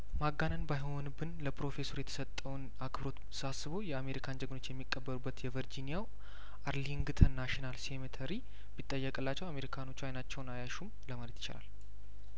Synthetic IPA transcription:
maɡːanənbajhonubɨnləpɾo̞fe̞so̞ɾjɛt̪ʰə̥sət̪ʼːəwn | akɨbɾo̞t̪ | sasːɨβo̞jɛame̞ɾikʰand͡ʒəɡno̞t͡ʃːjɛmːikʼːəbːəɾubːət̪jɛvəɾd͡ʒinijaw | aɾliŋɡɨt̪ʰənaʃinalse̞mit̪ʰəɾi | bit̪ʼːəjːəkʼɨlːat͡ʃːɛwame̞ɾikʰano̞t͡ʃːuajnat͡ʃːɛwnajaʃumləmalət̪jɪt͡ʃɪ̰la̰l

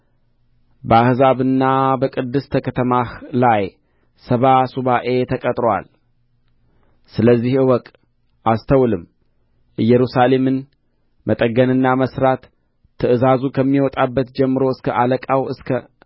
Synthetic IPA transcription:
bəahzaβɨnːabəkʼɨd̪ːɨst̪ʰəkʰət̪ʰəmahlaj | səβasuβaʔe̞t̪ʰəkʼət̪ʼɾowa̰l | sɨləzːihɨwɔkʼ | ʔast̪ʰəwlɨm | ʔɨjːɛɾusale̞mɨn | mət̪ʼəɡənɨnːaməsɾat̪ʰː | ɨɨzazukʰəmːiwɔt̪ʼabːət̪d͡ʒɛmːɨɾo̞ɨskʰəʔaləkʼawʔɨskʰə

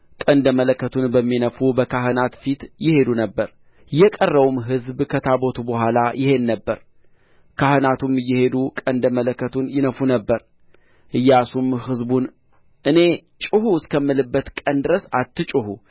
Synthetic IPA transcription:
kʼənd̪əmələkːət̪ʰunbəmːinəfubəkʰaɦɨnat̪fit̪jɪhe̞d̪unəbːəɾ | jːɛkʼərːəwumɦɨzbkʰət̪ʰabot̪ʰubəhʷalajɪhe̞nːəbːəɾ | kʰahɨnat̪ʰumɨjːɪhe̞d̪ukʼənd̪əmələkːət̪ʰunjɪnəfunəbːəɾ | ʔɨjːasumɦɨzbun | ʔɨne̞t͡ʃʼɨhuskʰəmːɨlɨbːət̪kʼənd̪ɨɾəsat̪ːɨt͡ʃʼɨhu

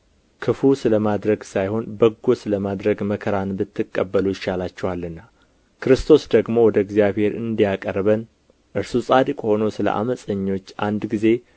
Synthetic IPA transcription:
kʰɨfusɨləmad̪ɾəɡsajho̞nbəɡːo̞sɨləmad̪ɾəɡməkʰəɾanbɨt̪ʰːɨkʼːəbːəlujɪʃalat͡ʃːɛwalːɨnːa | kʰɨɾɨst̪ʰo̞sd̪əɡmo̞wɔd̪əɪɡzijaβhe̞ɾɨ̰nd̪ijakʼərβən | ʔɨɾsusʼad̪ɨkʼho̞no̞sɨlə̰ʔa̰məsʼəɲːo̞t͡ʃːand̪ɡize̞

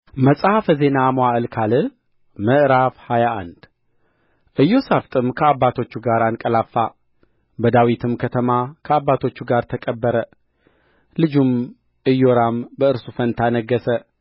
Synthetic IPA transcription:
məsʼafəze̞namowaʔɨlkʰalɨ | məʔɾafhajaʔa̰nd̪ | ʔɨjːo̞saft̪ʼɨmkʰəabːat̪ʰo̞t͡ʃːuɡaɾankʼəlafa | bəd̪awit̪ʰɨmkʰət̪ʰəmakʰəabːat̪ʰo̞t͡ʃːuɡaɾt̪ʰəkʼəbːəɾə | lɨd͡ʒum | ʔɨjːoɾambəɨɾsufənt̪ʰanəɡːəsə

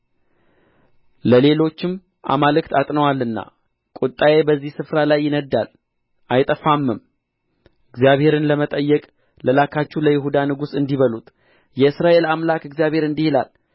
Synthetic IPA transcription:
ləle̞lo̞t͡ʃːɪm | ʔa̰malɨkt̪ʰat̪ʼnəwalːɨnːa̰ | kʼut̪ʼːajebəzːihsɨfɾalajːɪnəd̪a̰l | ʔajt̪ʼəfamːɨm | ɨɡzijaβhe̞ɾɨnləmət̪ʼəjːɛkʼ | ləlakʰat͡ʃːuləjɪɦud̪anɨɡusɨnd̪iβəlut̪ʼ | jɛɨsɾaʔe̞lamlakɨɡzijaβhe̞ɾɨnd̪ihela̰l

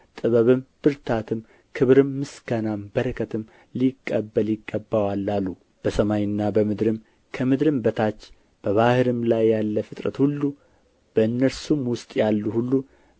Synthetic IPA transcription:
t̪ʼɨβəβɨmb̥ɨɾt̪ʰat̪ʰɨm | kʰɨβɾɨmːɨsɡanambəɾəkʰət̪ʰɨm | likʼːəbːəljɪɡːəbːawalːalːu | b̥əsəmajɨnːabəmɨd̪ɾɨm | kʰəmɨd̪ɾɨmbət̪ʰat͡ʃː | b̥əβahɨɾɨmlajːalːəfɨt̪ʼɾə̰t̪hulːu | b̥əɨnːəɾsumwʊst̪ʼjalːuhulːu

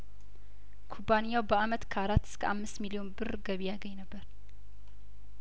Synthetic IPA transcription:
kʰubanijawbəamət̪kʰəaɾat̪ːɨ̥skʰəʔamːɨst̪milio̞nbɨɾɡəβijaɡəɲːnəbːəɾ

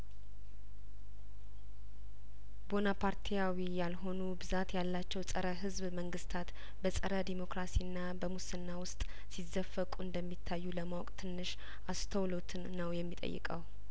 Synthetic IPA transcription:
bo̞napʰaɾt̪ʰijawijalɦo̞nubɨzat̪jalːat͡ʃːɛwsʼəɾəɦɨzβməŋɡɨst̪ʰat̪ | bəsʼəɾəd̪emo̞kɾasiɨnːabəmusɨnːawʊst̪ʼ | sizːəfːəkʼuɨnd̪əmːit̪ʰːajːuləmawɔkʼt̪ʰɨnːɨʃ | ʔast̪ʰəwlot̪ʰɨnːəwjɛmːit̪ʼə̰jːɨ̰kʼəw

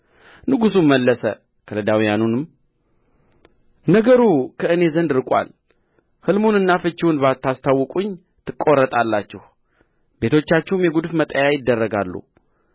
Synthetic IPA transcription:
nɨɡusumːəlːəsə̰ | kʰəlɨd̪awijanunɨm | nəɡəɾukʰəɨne̞zənd̪ɨɾɨkʷʼwa̰l | hɨlmunɨnːafɨt͡ʃːɪwunbat̪ʰːast̪ʰawːɨkʼuɲː | t̪ʰɨkʼːo̞rːət̪ʼalːat͡ʃːɪh | be̞t̪ʰo̞t͡ʃːat͡ʃːɛhmjɛɡud̪fmət̪ʼəjajɪd̪ːərːəɡalːṵ

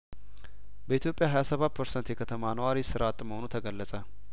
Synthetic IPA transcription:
bəit̪jo̞pʼjaɦajasəβat̪̚pʰəɾsənt̪jɛkʰət̪ʰəmanəwaɾisɨɾat̪ʼməhonut̪ʰəɡəlːəsʼə

